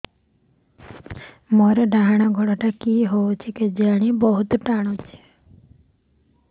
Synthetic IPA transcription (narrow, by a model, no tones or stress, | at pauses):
mɔɾɔɖaɦaɽ̃aɡʱɔɽaʈakiɦoot͡ʃʰiked͡ʒaɽ̃ibɔɦut̪ʈaɽ̃ot͡ʃʰe̥